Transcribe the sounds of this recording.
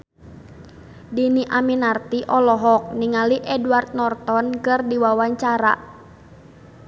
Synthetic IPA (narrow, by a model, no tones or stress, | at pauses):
diniʔaminart̪iʔɔlɔɦɔk̚niŋaliʔɛduart̪̚nɔrt̪ɔnkɨrdiwawaɲt͡ʃaɾa̰